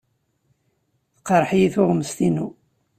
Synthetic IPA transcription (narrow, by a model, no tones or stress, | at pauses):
θqəɾˤħjiθʊʁməst̪inu